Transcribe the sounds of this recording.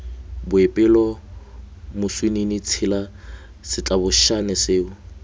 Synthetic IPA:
bʊɪpʼɪlɔ | mʊswininɪt͡sʰɪla | sɪt͡ɬʼabʊʃanɛsɪːʊ

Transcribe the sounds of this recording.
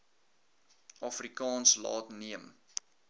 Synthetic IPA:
ɑfrikɑːnslɑ̰ːtniəm

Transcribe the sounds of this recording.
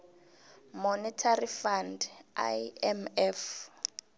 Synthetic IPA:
mɔnɛtʰarifanda̰jɛmɛf

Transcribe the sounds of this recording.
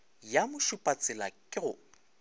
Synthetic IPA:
jamʊʃʊpʼat͡sʼɪlakʼɪrʊ

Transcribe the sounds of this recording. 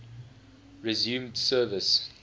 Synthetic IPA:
ɹɪzjũːmdsɜːvəs

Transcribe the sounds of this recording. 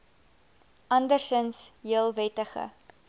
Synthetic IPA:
ʔɐndərsənsɦiəlˠvɛtəχə̰

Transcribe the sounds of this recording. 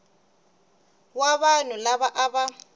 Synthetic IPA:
waβan̤ʊlaβaʔaβa

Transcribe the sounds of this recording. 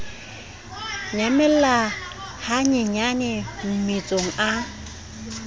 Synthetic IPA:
ɲamɪla | haɲɪɲanɪm̩mit͡sʼoŋ̩ʔa

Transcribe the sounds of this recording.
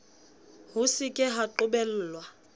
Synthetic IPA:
hʊsɪkʼɪɦaǃʊbɛl̩ːlwa

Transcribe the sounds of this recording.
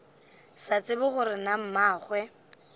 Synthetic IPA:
sat͡sʼɪbʊχʊɾɪnam̩maːχwɛ

